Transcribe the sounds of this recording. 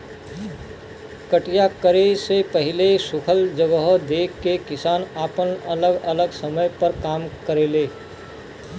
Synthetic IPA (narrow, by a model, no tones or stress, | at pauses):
kəʈijakəɾesepəɦilesukʰəld͡ʒəɡəɦd̪ekːekisanapənələɡələɡsəməjpəɾkamkəɾele